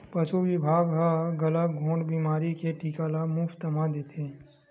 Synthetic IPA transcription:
pɐsuʋɪbʱaːɡɦaɡɐlaɡʱõːɳɖbiːmaːɾikeʈiːkalamuːfʰt̪ɐmad̪eːt̪ʰeː

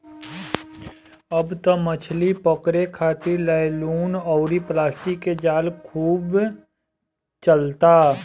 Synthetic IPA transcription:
ɐbt̪omət͡ʃʰlipɔkɾekʰaːt̪ilaluːnɔːɾiplaːsʈikːed͡ʒaːlkʰuːb | t͡ʃəlt̪aː

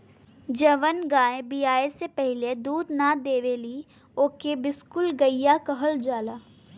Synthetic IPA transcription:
d͡ʒəʋənɡãːẽbiːaːesepɛɦɪled̪uːd̪nad̪eːʋeli | oːkebɪskʊlɡəijakəɦəld͡ʒaːlaː

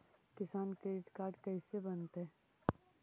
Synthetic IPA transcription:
kɪsaːnkɾeːɖɪʈkaːɾɖkɐisebɐnt̪ɦɛː

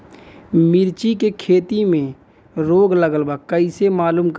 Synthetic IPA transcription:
mɪɾt͡ʃikekʰeːt̪imẽ | ɾoːɡləɡəlbakəɪsemaːluːmk

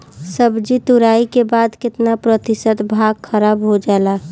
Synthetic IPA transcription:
səbd͡ʒit̪ʊɾaːikebaːd̪kɪt̪napɾət̪ɪsət̪bʱaːɡkʰəɾaːbɦod͡ʒaɛla

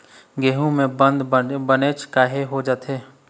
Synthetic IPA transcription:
ɡeːɦũmẽbə̃nd̪bəneːt͡ʃkaːɦeɦod͡ʒaːt̪ɦeː

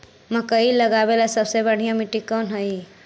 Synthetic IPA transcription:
məkəiləɡabelasəbsebəɽ̤ijãmiʈikːɔnɦəi

